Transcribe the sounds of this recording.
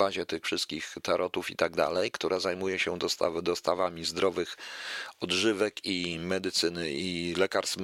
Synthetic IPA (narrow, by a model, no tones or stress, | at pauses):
aʑɛt̪ɘxfʂɘst̪̚kʲixt̪aɾʔɔt̪ufḭt̪aɡ̚d̪a̰lɛjkt̪uɾʔazajmujɛɕɛd̪ɔst̪avd̪ɔst̪avamʲizd̪ɾʔɔvɘxɔd̪ʐɘvɛkimɛd̪ɘt̪sɘnɘilɛkaɾst̪